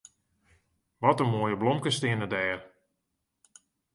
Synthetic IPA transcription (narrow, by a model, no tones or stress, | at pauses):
ʋɔtəmoːjəblɔmkəstɪənədɛːr